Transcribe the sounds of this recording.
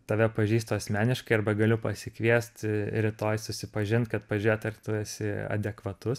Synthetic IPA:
t̪ɐʋʲɛpɐʒʲiːst̪oːɐsʲmʲæːnʲɪʃkɐɪɐɾbɐɡɐlʲʊpɐsʲɪkʋʲiɛst̪ɾʲɪt̪oːjsʊsʲɪpɐʒʲɪnt̪kɐt̪̚pɐʒʲɛt̪ɐrt̪ʊɛsʲɪɐ̰d̪ʲɛkʋɐt̪ʊs

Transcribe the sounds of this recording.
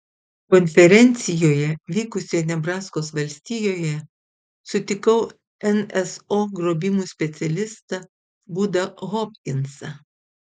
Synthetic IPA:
kɔnʲfʲɛɾʲɛnʲt̪sʲɪjoːjɛʋʲiːkʊsʲoːjɛnʲɛbɾɑːskoːsʋɐlʲsʲt̪ʲiːjoːjɛ | sʊt̪ʲɪkɐʊ | ɛnɛsoːɡɾoːbʲɪmuːsʲpʲɛt̪sʲɛlʲɪst̪ɐ | bud̪ɐɣɔpʲkʲɪnsɐ

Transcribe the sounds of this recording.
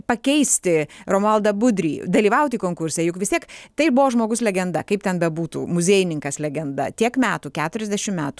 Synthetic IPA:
pɐkʲɛɪsʲt̪ʲɪɾoːmɐlˠd̪ɐbʊd̪ʲɾʲḭːd̪ɐlʲiːʋɐʊt̪ʲiːkoːŋkʊɾʲsʲɛjʊkʋʲɪst̪ʲiɛkt̪ɐɪbʊʋoːʒmoːɡʊslʲɛɡʲɛnd̪ɐkɐɪp̚t̪ʲɛnbʲɛbuːt̪ṵːmʊzʲeːjɪnʲɪŋkɐslʲɛɡʲɛnd̪ɐ̰t̪ʲiɛkmʲæːt̪uːkʲæːt̪ʊɾʲɛzʲd̪ʲæʃʲɪmmʲæːt̪uː

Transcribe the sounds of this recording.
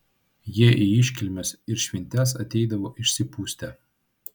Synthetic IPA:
jiɛʔiɪʃʲkʲɪlʲmʲɛsɪɾʃʲʋʲɪnʲt̪ʲæsɐt̪ʲɛɪd̪ɐʋoːʔɪʃʲsʲɪpuːsʲt̪ʲɛˑ

